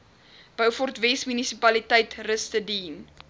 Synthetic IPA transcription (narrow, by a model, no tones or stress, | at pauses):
b̥əwfɔrtvɛsmynisipɐlitəjtrəstədin